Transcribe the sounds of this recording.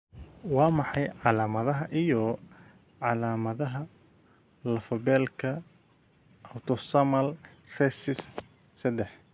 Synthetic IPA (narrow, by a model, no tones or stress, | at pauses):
wɑːmɑħɑjʕɑlaːmɐðɐɦɐʔijɔ | ʕɑlaːmɐðɐɦɐ | lɐfɐbɛːlkʰɐ | ʔɐwt̪ʰɔsɐmɐl | rɛsɪf | sɐd̪ɛħ